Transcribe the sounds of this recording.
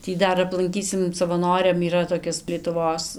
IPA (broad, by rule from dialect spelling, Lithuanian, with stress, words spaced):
ˈtʲiː ˈdɐr ɐplˠɐŋʲˈkʲiːsʲɪm sɐʋɐˈnoːrʲɛm iːˈrɐ toːˈkʲɪs lʲiɛtʊˈʋoːs